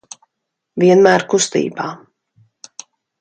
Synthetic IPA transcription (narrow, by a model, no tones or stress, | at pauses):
viɛnmæːɾkust̪ḭːbaː